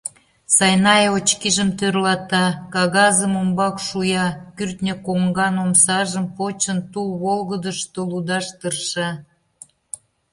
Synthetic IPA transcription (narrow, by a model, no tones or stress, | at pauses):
sɑjnɑjot͡ɕkiʒəmt̪ørlɑt̪ɑkɑɣɑzəmombɑkʃujɑkyrt̪nʲəkoŋɡɑnomsɑʒəmpot͡ɕənt̪ulβolɣəd̪əʃt̪olud̪ɑʃt̪ərʃɑ